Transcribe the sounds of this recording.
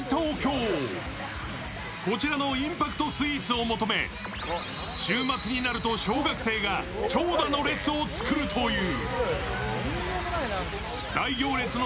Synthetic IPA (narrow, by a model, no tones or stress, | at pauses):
t̪oːkʲo̞ː | ko̞t͡ɕiɾano̞ĩmpakɯ̟̥t̪o̞sɨit͡sɨo̞mo̞t̪o̞me̞̰ | ɕɨːmat͡sɨɲ̟inaɾɯ̟t̪o̞ɕo̞ːɡakɯ̟̥se̞ːɡa | t͡ɕo̞ːd̪ano̞ɾe̞t͡sɨo̞t͡sɨ̥kɯ̟ɾɯ̟t̪ʰo̞jɯ̟ː | d̪aiɡʲo̞ːɾe̞t͡sɨno